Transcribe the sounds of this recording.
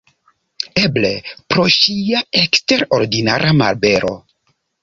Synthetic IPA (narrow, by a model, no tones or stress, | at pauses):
eble̞pɾo̞ʃiaekste̞ɾo̞ɾdinaɾʔama̰lbe̞ɾo̞̰